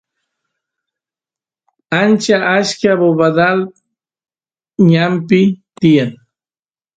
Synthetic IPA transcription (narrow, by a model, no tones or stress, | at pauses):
ant͡ʃaʔaʃkaβoβad̪al | ɲampɪt̪ɪjaŋ